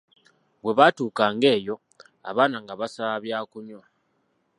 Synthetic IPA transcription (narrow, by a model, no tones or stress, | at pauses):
βwe̞βatuːkaːŋɡe̞ːjo̞ | a̰βaːnaŋɡaβasaβjaːkuɲwa